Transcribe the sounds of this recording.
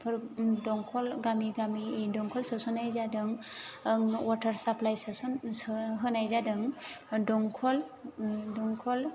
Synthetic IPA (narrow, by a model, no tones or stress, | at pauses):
pʰɯɾdɔŋkʰɔlɡamiɡamidɔŋkʰɔlsɯsunajzadɯŋŋwatʰaɾsaplajsasunɦɯnajzadɯŋdɔŋkʰɔl | dɔŋkʰɔl